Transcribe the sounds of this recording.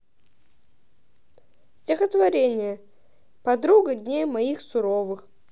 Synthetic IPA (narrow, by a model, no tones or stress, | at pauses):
sʲtʲɪxət̪vɐɾʲenʲɪjə | pɐd̪ɾuɡədʲnʲejmɐixsʊɾovɨx